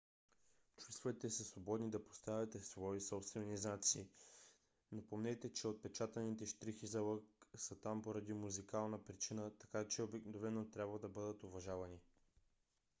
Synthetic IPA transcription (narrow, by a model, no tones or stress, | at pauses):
t͡ʃusvɛt̪ɛsəsvobɔd̪nid̪ɐpo̥st̪avʲɐt̪ɛsvɔisɔpst̪vɛniznat̪siː | nɐpomnɛt̪ɛt͡ʃɛot̪̚pɛt͡ʃat̪ənit̪ɛʃt̪ɾixizɐləksət̪ampoɾɐd̪imuzikalˠnəpɾit͡ʃinət̪ɐ̥kat͡ʃɛobɛknovɛnot̪ɾʲjabvɐd̪ɐbɤd̪ət̪ovɐʒavɐni